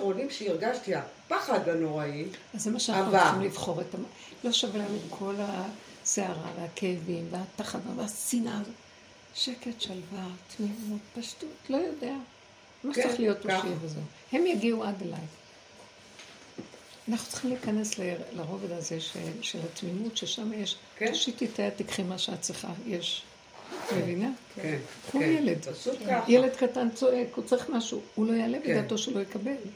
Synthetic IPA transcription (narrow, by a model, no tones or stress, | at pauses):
ʁonimʃeiʁɡaʃtiapaχaɡanoaiazːemaʃeanaχnut͡sχimlivχo̞ʁetam | lo̞ʃavelamikʰo̞la | seaʁa̰veakeevimveat̪aχadaveasinaz | ʃe̞ketʃalvat̪nivot̪paʃtutlo̞jo̞de̞a | maʃt͡seχlijo̞t̪oʃiveze | he̞mjaɡiuad̪ela̰j | anaχnu̥t͡sχimlikane̞slelaʁo̞ved̪azeʃḛʃelatmimutʃeʃamajeʃ | oʃititaat̪ikχimaʃeat͡sliχa̰jeʃ | mevina | kʰujeledjele̞dkatant͡so̞ʔe̞kut͡saʁiχmaʃuulo̞jalebed̪at̪o̞ʃelo̞jekabe̞l